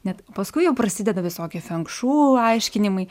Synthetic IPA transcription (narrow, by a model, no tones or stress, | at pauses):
nʲɛt̪pɐskʊɪjɛʊpɾɐsʲɪd̪ʲɛd̪ɐʋʲɪsoːkʲɪfʲɛŋkʃuːɐɪʃʲkʲɪnʲɪmɐɪ